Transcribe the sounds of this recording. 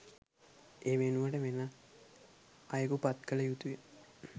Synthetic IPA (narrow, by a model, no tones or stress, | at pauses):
eːʋenuʋaʈəʋena | ajəkupat̪kələjut̪ujə